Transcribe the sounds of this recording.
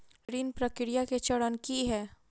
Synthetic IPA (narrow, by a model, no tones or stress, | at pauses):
ɾiːnpɾəkɪɾijaket͡ʃɐɽənkiɦɛː